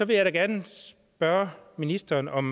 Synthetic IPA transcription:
sɒ̽ʋe̝jɑɪɾæɡ̥æɐnəs | b̥ɶɐminisd̥ɐːnʔɒ̽m

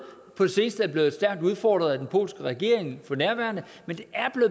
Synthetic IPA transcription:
pʰɒ̽d̥e̝se̝ːnsd̥əæɐb̥le̝ːð̩ˠsd̥æɐɡ̥̚d̥uð̞ˠfɒ̰ːd̥ʁɐð̞̩ˠæd̥enpʰo̝̰ːlsɡ̥əʁaɡ̥e̝̰ɐ̰e̝ŋfɒ̽næɐʋæɐnə | mend̥e̝æɐb̥le̝

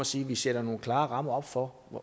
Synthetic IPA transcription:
ɒ̽siːʋised̥ɐno̝ːn̩kʰlɑ̈ːʁɑ̈m̰ɐɒ̽b̥fɒ

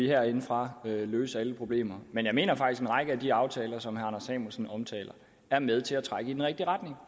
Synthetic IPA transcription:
iɦæɐ̰e̝nəfʁɑ̈øløːsəæləpʰʁo̝b̥le̝̰ːmɐmenjɑ̈ɪme̝̰ːnɐfɡ̥isɡ̥enʁɑɡ̥əæd̥iɑ̈ʊt͡sʰɛːlɐsɒ̽mhæɑnɐsɛ̰ːmusn̩ɒ̽mt͡sʰɛ̰ːlɐ | æɐmeð̞ˠt͡sʰe̝læt͡sʰʁaɡ̥əidenʁɛɡ̥̚d̥iʁad̥ne̝ŋ

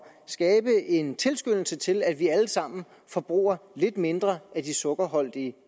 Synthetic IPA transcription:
sɡ̥ɛːb̥əʔe̝nt͡sʰe̝lsɡ̥øn̰l̩sət͡sʰe̝læd̥ʋiæləsɑ̈m̰n̩ | fɒ̽b̥ʁṵːɐle̝d̥me̝nd̥ʁɐʔæd̥isɔ̽ɡ̥ɐɦɒ̽l̰d̥iə

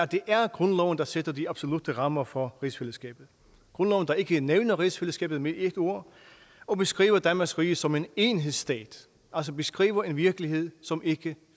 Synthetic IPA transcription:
d̥e̝ʔæɐɡ̥ʁɔ̽nlɒʊ̰n̩d̥ɑ̈sed̥ɐd̥iɑb̥so̝lud̥ʰəʁɑ̈mɐfɒ̽ʁisfeləsɡ̥ɛ̰ːb̥ð̩ˠ | ɡ̥ʁɔ̽nlɒʊn̩d̥ɑ̈e̝ɡ̥əneʊnɐʁisfeləsɡ̥ɛ̰ːb̥ð̩ˠmeeɡ̥əo̝ɐ̰ | ɒ̽b̥e̝sɡ̥ʁḭːʊɐd̥ænmɑ̈sɡ̥ʁiːsɒ̽me̝ne̝nɦe̝ðˠsːd̥ɛ̰ːd̥ | ʔæls̬ɒ̽b̥e̝sɡ̥ʁḭːʊɐe̝nʋiɐɡ̥əlihe̝ð̞̰ˠsɒ̽me̝ɡ̥ə

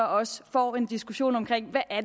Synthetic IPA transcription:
ɒɒ̽səfɒ̰ːe̝nd̥isɡ̥uɕo̝̰ːnɒ̽mkʰʁeŋ̰ʋæʔæɐd

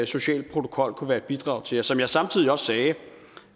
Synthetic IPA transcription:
so̝ɕɛ̰ːld̥̚pʰʁot͡sʰo̝̥kʰɒ̽l̰kʰuʋæːɐe̝d̥b̥id̥ʁɑ̈ʊt͡sʰe̝jɑsɒ̽mjɑ̈ɪsɑ̈mt͡sʰiðˠiɒ̽sːɛː

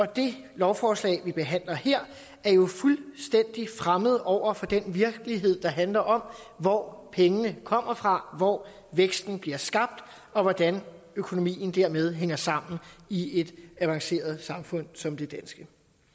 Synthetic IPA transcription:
ɒ̽d̥e̝ | lɒʊfɒːslɛ̰ɪʋib̥e̝ɦæn̰lɐheɐ̰ | æɐjo̝fulsd̥en̰d̥ifʁaməð̞̩ˠɒʊ̰ɐfɒ̽d̥enʋiɐɡ̥əliɦe̝ð̞̰ˠd̥ɑ̈ɦænlɐʔɒ̽mʋɒpʰeŋənəkʰɒ̽m̰ɐfʁɑ̈ʋɒː | ʋeɡ̥sd̥n̩b̥liɐsɡ̥ɑ̈b̥̚d̥ | ɒ̽ʋɒd̥æn | økʰo̝no̝mḭːn̩d̥æɐ̰með̞ˠɦeŋ̰ɐsɑ̈m̰n̩ie̝d̥æʋɑ̈ŋse̝̰ːɐð̞ˠsɑ̈mfɔ̽n̰sɒ̽md̥e̝d̥ænsɡ̥ə

